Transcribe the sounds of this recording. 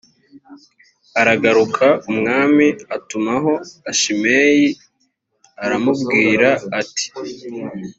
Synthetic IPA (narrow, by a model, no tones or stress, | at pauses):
aɾaɡaɾukʰaumŋaːmiatumaɦo̞aʃimeːji | aɾamubɡiːɾaːti̥